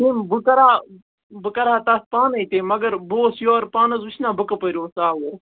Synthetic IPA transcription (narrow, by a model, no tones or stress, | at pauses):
tiːmbɨkɐɾaː | bɨkɐɾaːt̪ɐspaːnɐit̪eːmɐɡɐɾboːsjoːɾpaːnɐzut͡ʃʰnaːbɨkɐpəɾʲoːsaːwoɾ